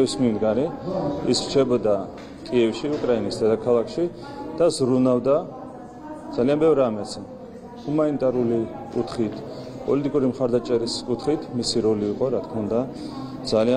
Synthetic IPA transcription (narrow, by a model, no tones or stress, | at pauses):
ismnind̪ɡaɾiisɾt͡ʃʰɛbɔd̪a | kʼiɛfʃiukʼɾainisd̪ɛd̪akʰalˠakʰʃi | d̪̥azɾunald̪a | d̪z̥alianbɛvɾamɛt̪sʰ | humanit̪ʼaɾuli | kʼut̪ʰχit̪ʰ | pʼɔlit̪ʼikʼuɾimχaɾd̪at͡ʃʼɛɾiskʼut̪ʰχit̪ʰmisiɾɔliːqʼɔɾat̪̚ʰkʰmaund̪a | d̪zalia